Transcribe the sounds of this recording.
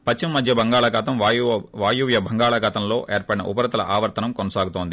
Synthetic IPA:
pɐt͡ʃːimɐmːɐd̪ʱjɐbɐŋɡaːɭɐɡɐt̪ɐmʋjʋaːjuʋjɐbʱɐŋɡaːɭɐɡɐt̪ɐmlo̞ːʔeːɾpɐɽinɐ̰ʔupɐɾɐt̪ɐlɐ̰ʔaːʋɐɾt̪ɐnɐmkɔnɐsaːɡut̪oːnd̪i

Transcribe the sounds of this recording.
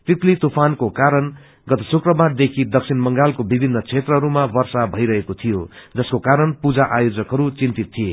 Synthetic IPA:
t̪it̪lit̪upʰankokaɾʌn | ɡʌt̪ʌsukrʌbaɾd̪ekʰid̪ʌksʰinmʌŋɡalkobibʱinːʌt͡sʰet̪rʌɦʌɾumabʌrsabʱʌjɾʌɦekot̪ʰijod͡zʌskokaɾʌnpud͡zaʔajod͡zʌkɦʌɾut͡sint̪it̪ʰːije

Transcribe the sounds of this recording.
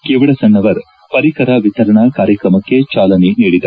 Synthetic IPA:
keːʋɐɽɐsɐnːɐʋɐɾ | pɐɾikɐɾɐʋit̪ɐɾɐɳɐkaːɾjɐkɾɐmɐkːe̞t͡ʃaːlɐniniːɽid̪ɐ

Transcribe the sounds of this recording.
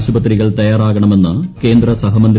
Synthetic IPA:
ɕubɐt̪̬ːriɣɐɭt̪ɐjaːɾaːɣɐɳɐme̞nːɨke̞ːnd̪ɾɐsɐɦɐmɐnd̪

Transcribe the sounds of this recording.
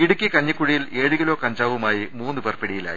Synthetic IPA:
iɽukʲːikɐɲːikːuɻijile̞ːɻɨɣilo̞ːkɐɲd͡ʑaːʋumaːjimuːnːɨpɐrpeɽijila̰ːji

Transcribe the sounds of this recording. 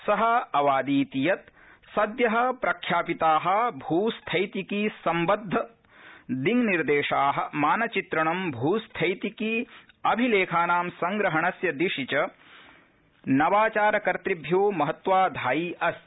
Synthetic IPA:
sɐɦɐɐʋaːd̪iːt̪ijɐt̪ | sɐd̪jɐɦɐ̆pɾɐkʰjaːpit̪aːɦɐ̆bʱuːst̪ʰɐjt̪ikisɐmbɐd̪ʱːɐ | d̪iŋniɾd̪eːʂaːɦɐ̆maːnɐt͡ʃit̪ɾɐɳɐmbʱuːst̪ʰɐjt̪iki | ɐbʱileːkʰaːnaːmsɐŋɡɾɐɦɐɳɐsjɐd̪iʃit͡ʃɐ | nɐʋaːt͡ʃaːɾɐkɐɾt̪ɾibʱjoːmɐɦɐt̪ʋaːd̪ʱaːjiɐs

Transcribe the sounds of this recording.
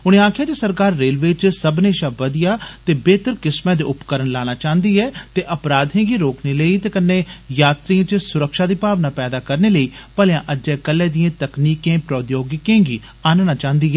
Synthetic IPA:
ʊɽ̃ẽːaːkʰɪjaːt̪eːsəɾkaːɾːeːlʋet͡ʃsəbneːʃaːʋəd̪ɪjaːt̪eːbeːt̪əɾkɪsmɛ̃ːd̪ḛːʊpkəɾənlaːɽ̃aːt͡ʃaːənd̪iːɦɛːt̪eːʔəpɾaːd̪ɦẽːɡiːɾoːkneːləiːt̪eːkənːeːjaːt̪ɾiãːt͡ʃsʊɾəkʃaːd̪iːpaːʋnaːpɛːd̪aːkəɾneːləiːpəljãːʔəd͡ʒɛːkəlːɛ̃ːd̪ijẽːt̪əkniːkẽːpɾoːd̪joːɡɪkẽːɡḭː | aːnnaːt͡ʃãːɦənd̪iːɦɛː

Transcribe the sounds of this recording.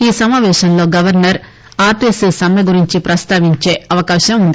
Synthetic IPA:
iːsɐmaːʋɛːʃɐmlo̞ːɡɐʋɐɾnɐɾ | aːɾʈisisɐmjɐɡuɾiɲt͡ʃipɾɐst̪aːʋiɲt͡ʃe̞ːɐʋɐkaːʃɐmund̪i

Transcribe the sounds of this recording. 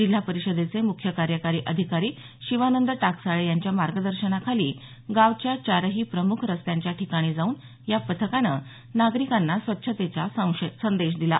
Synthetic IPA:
d͡ʑil̤ːapəɾiɕəd̪et͡semukʰjəkaɾjəkaɾiːʔəd̪ʱikaɾiː | ɕiʋanənd̪əʈaksaɭejaɲt͡ɕjamaɾɡəd̪əɾɕənakʰaliː | ɡaʋt͡ɕjat͡ɕaɾəɦiːpɾəmukʰɾəst̪jaɲt͡ɕjaʈʰikaɽ̃iːd͡zauːn | japət̪ʰəkanə̰ | naɡɾikanːasʋətːɕʰət̪et͡ɕasə̃w̃ɕsənd̪eɕ̬d̪ila̰

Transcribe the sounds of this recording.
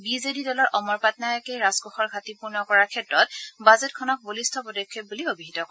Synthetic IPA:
bizedidɔlɔɹʔɔmɔɹpatnajɔkɛɹazɡɔxɔɹɡʱatipuɹnɔkɔɹakʰɛtɹɔtbazɛtkʰɔnɔk̚bolistʰɔpɔdɔkʰːep̚buliobiɦitɔkɔ

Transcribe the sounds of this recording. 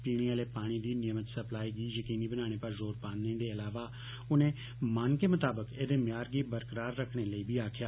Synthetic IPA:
piːɽ̃iːaːleːpaːɽ̃iːd̪iːnɪjəmət̪səplaːiːɡiːjəkiːniːbənãːɽ̃eːpəɾzoːɾpaːnnẽd̪eːəlaːʋaː | ʊnẽː | mankeːmʊt̪aːbəkeːd̪eːmjaːɾɡiːbəɾkəɾaːɾːəkʰɽ̃eːləiːbʱiːaːkʰjaː

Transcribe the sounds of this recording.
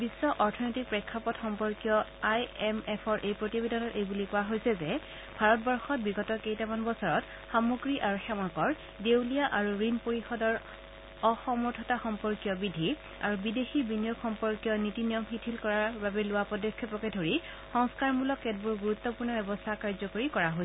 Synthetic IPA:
bisːɔʔɔɹtʰɔnojtik̚pɹɛkʰːapɔtxɔmpɔɹkjɔajɛmɛpʰɔɹʔejpɹotibedʱanɔtejbulikʊaɦojsɛzɛ | bʱaɹɔt̚bɔɹxɔt̚biɡɔtɔkejtamanbɔsɔɹɔt | xamuɡɹiʔaɹuxɛmakɔɹ | dewliaʔaɹuɹinpoɹixɔdɔɹ | ɔxɔmɔɹtʰɔtaxɔmpɔɹkjɔbidʱi | a̰ɹubidexibinijokxɔmpɔɹkjɔnitinijɔmxitʰilkɔɹaɹbabɛlʊwapɔdɔkʰːjɔpɹɔkɛdʱoɹi | xɔŋskaɹmulɔkːɛt̚buɹɡuɹutːɔpuɹnɔbɛbɔstʰakaɹzɔkoɹikɔɹaɦojs

